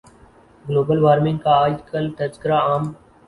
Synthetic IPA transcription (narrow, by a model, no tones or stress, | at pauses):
ɡloːbəlʋaːɾmɪ̃ŋɡkaːd͡ʒkəlt̪əd͡ʒkɪɾaːaːm